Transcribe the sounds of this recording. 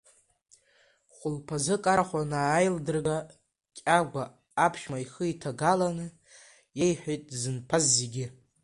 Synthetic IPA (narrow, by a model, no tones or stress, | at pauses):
χʷʊlpʰazɨkʼaɾaχʷanaːjldɨrɡa | kʲʼaɡʷaː | pʰʃmaiχəitʰaɡalanɨ | jejħᶣejtʼzɨnpʰazːeɡʲɪ